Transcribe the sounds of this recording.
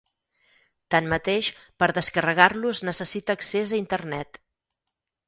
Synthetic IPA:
t̪anmət̪eʃpəɾðəskərəɣ̞arluznəsəsit̪əːksezəint̪ərnɛt̪

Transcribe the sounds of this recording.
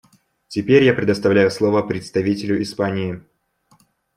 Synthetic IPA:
tʲɪpʲeɾʲjapɾʲɪd̪əst̪ɐvlʲæjʊslˠovəpɾʲɪt̪st̪ɐvʲitʲɪlʲʊʔɪspanʲɪɪ

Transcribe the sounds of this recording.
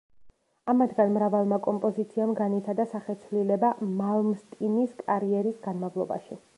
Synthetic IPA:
amad̪ɡanmɾavalˠmakʼɔmpʼɔzit̪sʰiamɡanit̪ʰad̪asaχɛt̪sʰvlilɛbamalˠmst̪ʼiniskʼaɾiɛɾisɡanmavlˠɔba̰ʃi

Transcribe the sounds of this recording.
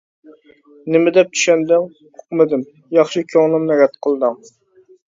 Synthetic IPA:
nɪmɪd̪ɛp̚t͡ʃ̪ʰy̥ʃɛnd̪ɪŋ | qʰʊ̥qmɪd̪ɪm | jɑχʃɨkʲʰøŋnˠɨmnɛɡʲɛt̪qʰəlˠd̪ɨm

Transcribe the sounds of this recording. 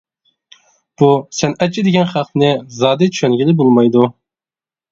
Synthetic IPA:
b̥usɛnɛt͡ʃʰid̪ɪɡʲɛnχæqnɪzɑːd̪ɪt͡ʃʰʃʰønɡʲilɪbolˠmɑjd̪u

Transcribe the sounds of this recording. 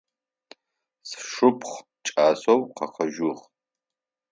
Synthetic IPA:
sʂʊpʰχ | t͡ʃʼaːsowqʰɐχɐʒʊʁ

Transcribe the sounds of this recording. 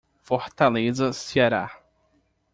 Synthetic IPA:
fɔɾt̪alezɐsiaɾa̰

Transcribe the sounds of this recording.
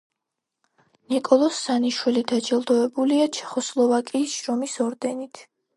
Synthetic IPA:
nikʼɔlˠɔsːaniʃwilid̪ad͡ʒɛlˠd̪ɔɛbuliat͡ʃʰɛ̥χɔslˠɔvakʼiːsʃɾɔmisɔɾd̪ɛnit̪ʰ

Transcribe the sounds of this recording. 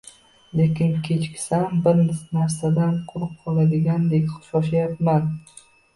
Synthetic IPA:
lekʲɪŋkʲʰe̞t͡ʃkʲsambɪɾnnaɾsad̪anqʰʊɾɨp̚qʰɒlˠad̪ɪɡʲand̪ekʲχʊ̥ʃɒʃajapman

